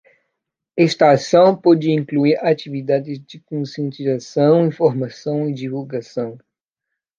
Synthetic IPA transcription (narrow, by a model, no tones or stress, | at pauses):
ɛʃt̪ɐːsɐ̃w̃pɔd͡ʒɪĩŋkluiɾat͡ʃivid̪ad̪ɪzd͡ʒɪkõsijẽnt̪izasɐ̃w̃ĩfoɾmasɐ̃w̃id͡ʒivulɡasɐ̃w̃